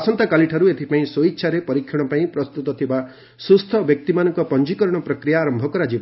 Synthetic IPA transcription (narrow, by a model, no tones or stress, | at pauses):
sɔnt̪akaliʈʰaɾuet̪ʰipaĩsoitːʃʰaɾepɔɾikʰːjɔɽ̃ɔpaĩpɾɔst̪ut̪ɔt̪ʰiba | sust̪ʰɔbjɔk̚t̪imanɔŋkɔpɔnd͡ʒikɔɾɔɽ̃ɔpɾɔkɾijaːɾɔmbʱɔkɔɾad͡ʒib